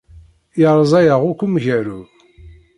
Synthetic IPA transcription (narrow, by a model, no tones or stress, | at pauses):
jəɾˤzˤæjəʁʊkʷːumʝæɾu